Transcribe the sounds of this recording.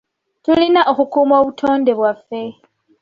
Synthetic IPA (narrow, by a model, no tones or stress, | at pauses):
tulinaʔoxukuːmoβutʰo̞ːnde̞βwafːe̞